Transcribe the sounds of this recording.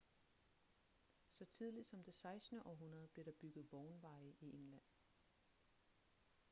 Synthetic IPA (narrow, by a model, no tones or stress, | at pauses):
sɒ̽t͡sʰið̞ˠlid̥sɒ̽md̥e̝sɑ̈ɪsd̥nəʔɒ̽ɦunɐð̞̩ˠb̥liɐɾ̥ɑ̈b̥yɡ̥ð̩ˠʋ̥ɒʊnʋɑ̈ɪəʔiʔeŋlæn̰